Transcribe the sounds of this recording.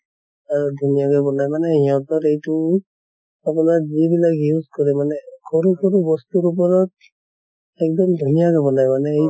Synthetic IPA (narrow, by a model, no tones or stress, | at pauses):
aɹud̪ʱunijakɔbɔnajmanɛijat̪ɔɾejtu | ap̬unaɾzibilakjuzkɔɾɛmanɛkʰɔɾukʰɔɾubɔst̪uɾup̬ɔɾɔt̪̚ | ɛk̚dɔmd̪ʱunijakɔbɔnajmanɛej